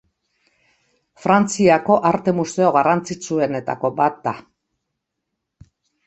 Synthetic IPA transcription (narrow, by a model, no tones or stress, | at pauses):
fɾant͡siako̞ʔaɾt̪e̞muse̞o̞ɣ̞arant͡sit͡sue̞ne̞t̪a̰ko̞bat̪̚d̪a